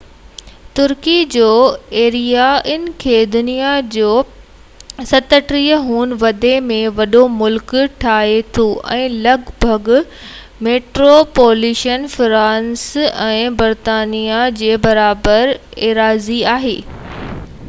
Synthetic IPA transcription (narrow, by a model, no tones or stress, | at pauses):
t̪ʊɾkid͡ʑoːeːɾijaɪn̆kʰeːd̪ʊnijad͡ʑoː | sɐt̪əʈɾiəɦuːnʋɐd̪emẽʋɐɗomʊlkʈʰaːɦet̪ʰoʔɛ̰̃ːlɐɡbʱɐɡ | meːʈɾopoːluːʃənfɾãːnsɛ̃ːbɐɾt̪aːnijad͡ʑeːbɐɾaːbəɾeːɾaːziaːɦḛː